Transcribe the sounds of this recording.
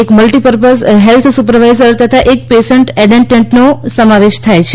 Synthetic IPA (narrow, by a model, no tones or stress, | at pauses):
ekməlʈipəɾpəsɦelt̪ʰsupəɾʋajzəɾt̪ət̪ʰaʔek̚pesəɳʈɛɖeɳʈẽɳʈnosəmaʋeʃt̪ʰajt͡ʃʰe